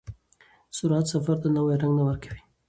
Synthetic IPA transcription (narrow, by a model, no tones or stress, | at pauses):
sʊɾat̪safaɾd̪anawajɾaŋɡnawəɾkḁwi